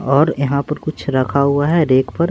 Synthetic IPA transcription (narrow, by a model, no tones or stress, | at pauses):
ɔːɾjɐɦãpɐɾkʊt͡ʃʰɾɐkʰaɦuaɦɛɾeːkpɐɾ